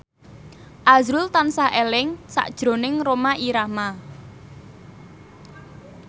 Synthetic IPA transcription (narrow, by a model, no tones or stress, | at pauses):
ʔazɾʊlt̪ansaɦʔelɪŋsa̰ʔd̥ʒ̥ɾo̤nɪŋromaʔiɾahma